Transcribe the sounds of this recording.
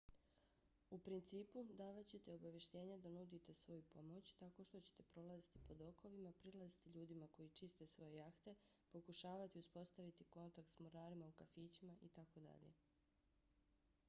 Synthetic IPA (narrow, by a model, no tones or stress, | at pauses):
upɾint̪siːpud̪aːʋat͡ɕe̞t̪eo̞baʋje̞ʃt̪e̞ːɲed̪anud̪it̪e̞sʋo̞jupo̞mo̞t͡ɕt̪ako̞ʃt̪o̞t͡ɕe̥t̪e̞pɾo̞lˠazit̪ipo̞d̪o̞ko̞ʋimapɾilˠazit̪iʎuːd̪imako̞jit͡ʃist̪e̞sʋo̞je̞jaxt̪e̞po̞kuʃaːʋat̪iuspo̞st̪aʋit̪iko̞nt̪ak̚t̪smoɾaːɾimaukafiːt͡ɕimaʔit̪ako̞d̪a̰ʎe̞̰